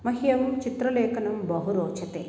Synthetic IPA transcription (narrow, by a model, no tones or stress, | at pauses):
mɐɦijɐmt͡ʃit̪ɾɐlɛːkɐnɐmbɐɦuɾoːt͡ʃʰɐt̪ḛː